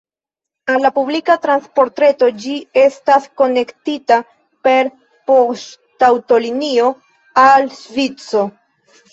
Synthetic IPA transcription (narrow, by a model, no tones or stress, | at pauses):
alːapublikatɾanspo̞ɾtɾe̞to̞d͡ʒie̞stasko̞ne̞ktita | pe̞ɾ | postawto̞linio̞ | alʃvit͡so̞